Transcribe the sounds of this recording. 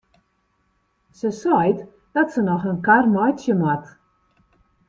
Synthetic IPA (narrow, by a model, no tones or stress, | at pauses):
səsɔjt | d̥ɔtsənɔxənkarmɔjsjəmat